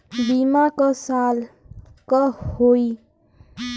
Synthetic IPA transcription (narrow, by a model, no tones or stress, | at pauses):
bimakosal | kʌhoj